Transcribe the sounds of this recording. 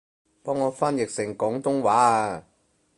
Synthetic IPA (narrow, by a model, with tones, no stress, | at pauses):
pɔː˥ŋːɔː˨˧fa˥njɪ˨k̚sɪ˨˩ŋkɔː˨˥ŋt̪ʊ˥ŋwaː˨˥